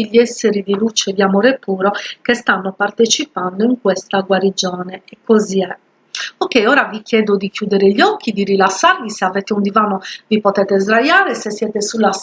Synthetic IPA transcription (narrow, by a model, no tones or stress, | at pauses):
ʎːiɛsːeɾid̪ilut͡ʃed̪iamɔːɾepuːɾokest̪anːopart̪et͡ʃipand̪oiŋkwest̪aɡwaɾid͡ʒɔːneɛkːoziɛ | okːejɔːɾavikjɛːd̪od̪ikjuːd̪eɾeʎːɔkʰːid̪irilasːarviseavɛːt̪eund̪ivaːnovipot̪ɛːt̪ezɾajaːɾesesːjɛːt̪esulːa